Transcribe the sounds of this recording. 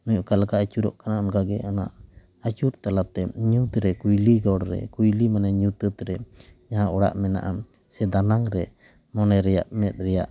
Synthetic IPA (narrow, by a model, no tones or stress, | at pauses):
nujuʔkalkaat͡ʃuɾɔ̰ʔkanaɔnkaɡɛʔana̰ʔ | at͡ʃuɾt̪alat̪ɛɲut̪ɾɛkujliɡɔɽɾɛ̰kujlimanɛɲut̪ət̪ɾɛjaɦãʔɔɽa̰ʔmɛna̰ʔa | sɛd̪anaŋɾɛ | mɔnɛɾɛja̰ʔmɛt̪̚ɾɛja̰ʔ